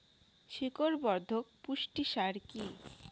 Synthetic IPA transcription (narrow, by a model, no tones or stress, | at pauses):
ʃikoɾbɔɾd̪ʱok̚puʃʈiʃaɾki